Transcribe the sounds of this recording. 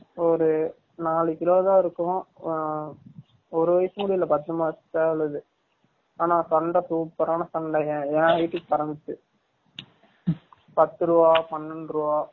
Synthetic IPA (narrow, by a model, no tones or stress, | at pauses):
ɔɾɯ | naːɭɯkɪloːðãːɪɾɯkːʊ̃ | ɔɾɯʋɐjsɯmʊɽɪɪlɐpɐt̪ːɯmaːt̪ːaːɭɐðɯ | aːnaːsɐɳɖɐsuːpːɐɾaːnɐsɐɳɖɐɛ̃ːɛ̃ːɐjʈːɯkːɯpɐɾɐnd̪ɯt̪ːɯ | pɐt̪ːɯɾɯʋaːpɐnːɯnɾɯʋaː